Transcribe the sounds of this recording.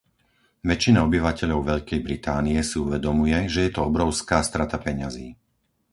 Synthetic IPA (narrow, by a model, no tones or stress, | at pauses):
ʋɛt͡ʃːinaɔbiʋacɛʎɔʊʋɛʎkɛjbɾit̪aːniɛsiuʋɛd̪ɔmujɛʒɛjɛt̪ɔɔbɾɔʊskaːst̪ɾat̪apɛɲaziː